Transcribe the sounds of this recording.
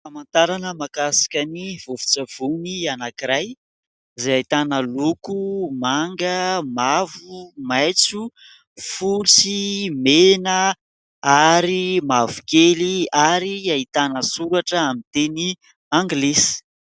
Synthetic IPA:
amant̪aɾanəmakasḁkʲaniv̥uvu̥t͡sav̥unianakiɾaj | zeajt̪anəlukumaŋɡəmavumajt͡su | fut͡simenə | aɾimavukeliaɾiait̪anəsuɾaʈ͡ʂəamit̪eni | ãŋɡlesi̥

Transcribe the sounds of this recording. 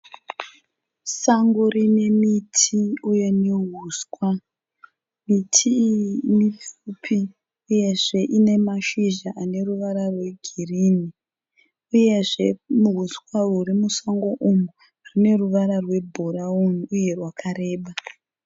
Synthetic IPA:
saŋɡorine̞mitʰiujeneɦuːskwa | mitʰinifupʰi | uje̞ʐe̞ʔine̞maʃiʒaʔane̞ruʋaɾarwe̞ɡʱirini | uje̞ʐemuɦuskwaurimusaŋɡo̞ʔumu | rine̞ruʋaɾarwe̞bʱoɾaunuje̞rwakʰaɾe̞ːɓa

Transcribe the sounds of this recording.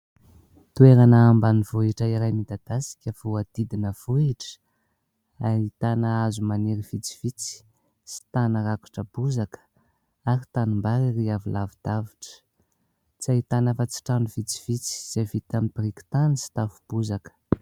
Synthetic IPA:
t̪ueɾanaambanivuiʈ͡ʂaiɾajmid̪ad̪̥asi̥kʲəv̥uad̪̥id̪inəvuiʈ͡ʂə̥ | ait̪anaazumaneɾiv̥it͡si̥v̥it͡si̥ | si̥t̪anəɾaku̥ʈ͡ʂəbuzakə̥ | aɾit̪anumbaɾiriavilavid̪̥aviʈ͡ʂə̥ | t͡sait̪anafat͡si̥ʈ͡ʂanuv̥it͡si̥v̥it͡si̥z̥evit̪amibriki̥t̪anisi̥t̪afub̥uzakə̥

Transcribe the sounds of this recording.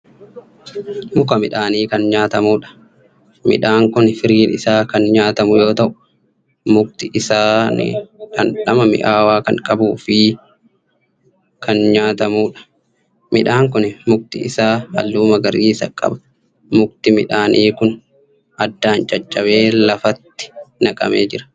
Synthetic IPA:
mʊkɐmɪᶑaːniːkɐnɲaːt̪ɐmuːᶑɐ̥ | mɪ̰ᶑaːŋkʊnɛfɪɾiːnɪsaːkɐnɲaːt̪ɐmʊjo̞ːt̪ɐʔʊ̥ | mʊk̚t̪ɪʔɪsaːnɪ̰kɐnᶑɐmɐmɪ̰ʔaːwaːkɐ̰ŋkʼɐbuːfɪ | kʰɐnɲaːt̪ɐmuːᶑɐ̥ | mɪᶑaːŋkʊnɛmʊk̚t̪ɪɪ̰saːɐ̰lːuːmɐɡɐɾiːsɐkʼɐ̰bɐ̥ | mʊkt̪ɪmɪᶑaːnʔiːkʊn | ɐd̪ːaːnt͡ʃʼɐt͡ʃʼːɐbe̞ːlɐfɐt̪ːɪ̥nɐkʼɐ̰mḛːd͡ʒɪɾɐ̥

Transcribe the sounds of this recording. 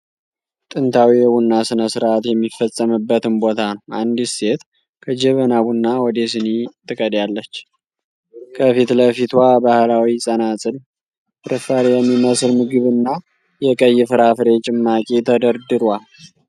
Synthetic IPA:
t̪ʼɨnt̪ʰawijɛwunːasɨnəsɨɾʔat̪jɛmːifːəsʼːəmɨbːət̪ɨnbo̞t̪ʰanəwand̪ise̞t̪ | kʰəd͡ʒɛβənaβunːawɔd̪esɨnit̪ːɨkʼəd̪jalːət͡ʃː | kʰəfit̪ləfit̪wabahlawisʼənasʼɨl | ɾɨfaɾjɛmːiməsɨlmɨɡɨβɨnːa | jɛkʼəjːɪfɨɾafɨɾe̞t͡ʃʼɪmːakʼet̪ʰəd̪əɾd̪ɨɾal

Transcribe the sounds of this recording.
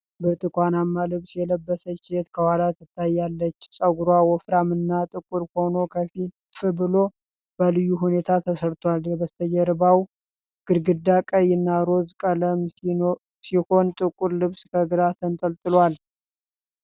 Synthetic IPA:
bɨt̪ʼɨkʼʷanamːalɨβsjɛləbːəsət͡ʃːjet̪kʰəwalat̪ɨt̪ʰːajːalːət͡ʃːsʼəɡuɾawɔfɾamɨnːat̪ʼɨkʼuɾho̞no̞kʰəfi | fɨbɨlo̞ | b̥əlɨjːuɦune̞t̪ʰat̪ʰəsəɾt̪ʰwaljɛbəst̪ʰəd͡ʒɛɾbaw | ɡ̥ɨɾɡɨd̪ːakʼəjɪnːaɾo̞zkʼələm | siho̞nt̪ʼɨkʼuɾlɨβskʰəɡɨɾat̪ʰənt̪ʼəlt̪ʼɨlwal

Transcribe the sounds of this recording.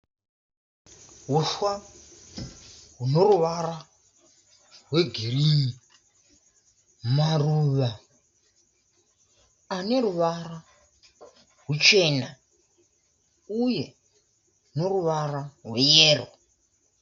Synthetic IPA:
ɦuʃwa | ɦuno̞ruʋaɾa | rɦweɡʱirii | maruːʋa | aneɾuʋara | ɦut͡ʃena | uje | noruʋararwejeːro

